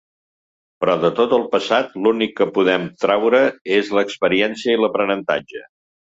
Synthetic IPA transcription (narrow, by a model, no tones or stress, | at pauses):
pɾɔðət̪ot̪əlˠpəsat̪lunikːəpuðɛmt̪ɾawɾəezləkspəɾiɛnsiəiləpɾənənt̪a̰d͡ʒə